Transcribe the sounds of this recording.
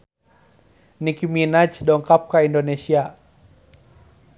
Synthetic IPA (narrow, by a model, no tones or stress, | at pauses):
nikiminat͡ʃdɔŋkap̚kaʔindonesia